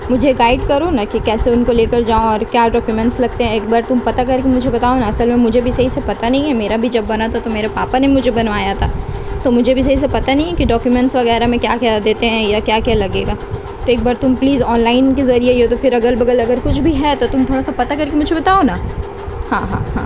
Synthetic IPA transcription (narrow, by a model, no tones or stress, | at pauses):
mʊd͡ʒʱeɡaːɪɖkɐɾonakikɛːseʊnkoleːkɐɾd͡ʒaːoɔːɾkjaːɖɔːkjumɛ̃ɳʈslɐɡt̪eɦɛ̃eːk̚baːɾt̪ʊmpɐt̪akɐɾkemʊd͡ʒʱebɐt̪aːonaɐsəlmẽmʊd͡ʒʱebʱisɐɦisepɐt̪anɐɦĩɦɛ̃meːɾabʱid͡ʒɐbːɐnat̪ʰat̪omeːɾepaːpanemʊd͡ʒʱebɐnʋaːjat̪ʰaːt̪omʊd͡ʒʱebʱis̬ɐɦis̬epɐt̪anɐɦĩɦɛkiɖɔːkjumɛ̃ɳʈsʋɐɣɛːɾamɛ̃kjaːkjad̪eːt̪eɦɛ̃jakjaːkjalɐɡeːɡaː | t̪oeːk̚baːɾt̪ʊmpliːzɔːnlaːɪnkezɐɾiejot̪ofɪɾɐɡəlbɐɡəlɐɡəɾkʊt͡ʃʰbʱiɦɛt̪ot̪ʊmt̪ʰoːɽasapɐt̪akɐɾkimʊd͡ʒʱebɐt̪aːona | hã̰ːɦã̰ːɦã̰ː